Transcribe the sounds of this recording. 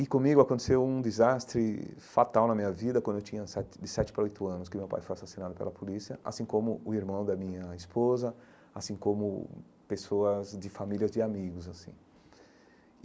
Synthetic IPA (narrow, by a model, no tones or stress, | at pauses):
ɪkõmiɡʊakõnt̪e̥sewũd̪ɪzast̪ɾɪfat̪awnɐmĩɲɐvid̪ɐkwɐ̃d̪ʊewt͡ʃʰĩɲɐsɛt̪ɪd̪ɪsɛt͡ʃɪ̥pɾɐojt̪ʊɐ̃nʊskɪʊmewpa̰jfojasasinad̪ʊpḛlɐpolisiɐʔa̰sĩkõmʊʊiɾmɐ̃w̃d̪ɐmĩɲɐispozɐ | asĩkõmʊ̰ | pesoɐzd͡ʒɪfamiliɐzd͡ʒ̪ɪamiɡʊzasḭ̃